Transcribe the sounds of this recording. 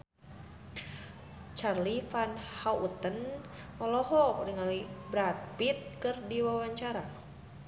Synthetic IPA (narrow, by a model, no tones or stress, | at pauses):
t͡ʃarlifanhaut̪ən | ɔlɔɦɔɾiŋalibɾat̪̚pit̪̚kɨrdiwawaɲt͡ʃaɾa